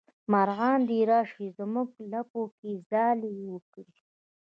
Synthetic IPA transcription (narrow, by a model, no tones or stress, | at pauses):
maɾɣɑːnd̪iɾɑːʂizmuɡlapokizɑːliwəkɽi